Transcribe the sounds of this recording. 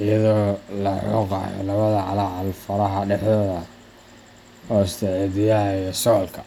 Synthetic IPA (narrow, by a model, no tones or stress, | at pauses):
ɪjɐðɔːlɐ̰ɔ̰qɑ̰ːjɔ̰lɐβɐðɐʕɑ̰lɑʕɑlfɐɾɐɦɐɖɛħðɔːðɐ | hɔɪst̪ʰɛʕɛd̪ɪjaɦɛsɔlkʰɐ̥